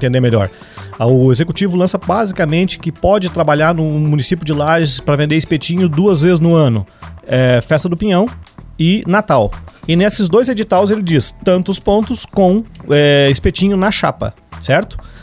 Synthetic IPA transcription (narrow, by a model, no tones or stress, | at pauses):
t̪ẽd̪eɾmeʎɔ̰ɾ | ʊezekut͡ʃivʊlɐ̃sɐbazikɐmẽnt͡ʃɪ̥kɪpɔd͡ʒɪt̪ɾabaʎaɾnʊmunisipjʊd͡ʒɪlaʒɪspɾɐvẽnd̪eispet͡ʃĩɲʊd̪uɐzvezɪznʊɐ̃nʊɛfɛst̪ɐd̪ʊpĩɲɐ̃w̃ɪnat̪awɪnesɪzd̪ojzed͡ʒit̪awzelɪd͡ʒist̪ɐ̃nt̪ʊspõnt̪ʊskõw̃ɛispet͡ʃĩɲʊnɐʃa̰pɐ̰ | sɛɾt̪ʊ̥